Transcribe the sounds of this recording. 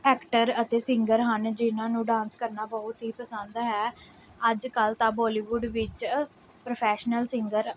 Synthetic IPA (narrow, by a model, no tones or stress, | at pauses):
ɛːkʈəɾət̪eːsɪ̃ŋɡəɾɦənd͡ʒɪnãːnũːɖãːnskəɾnaːbɔːt̪ɦiːpəsə̃nd̪ɦɛː | əd͡ʒkəlt̪ãːbɔːliːʋuːɖʋɪt͡ʃ | pɾəpʰɛːʃnəlsɪ̃ŋɡəɾ